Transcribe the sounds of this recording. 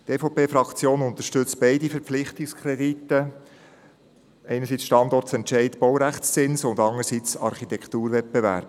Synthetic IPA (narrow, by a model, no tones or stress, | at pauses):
t̪eːfopeːfɾɑkt͡sjoːnʊnt̪əʃtʏt͡sb̥ɛɪdifəɾpp͡flɪχtɪkskʰɾɛditːə | ɛɪnəɾsiːt͡sʃtɑndɔrtt͡sɛntʃɛɪtb̥ɔwɾæχt͡st͡sɪnsʊndɑŋəɾsit͡sɑ̰ɾχit̪ɛkt̪uːɾvɛt̚bɛʋæ̰ɾb̥